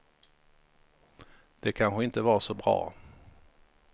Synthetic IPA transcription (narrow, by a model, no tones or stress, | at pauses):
d̪̥ɛkʰanɧəɪnt̪əvɑːsɔbɾɑ̰ː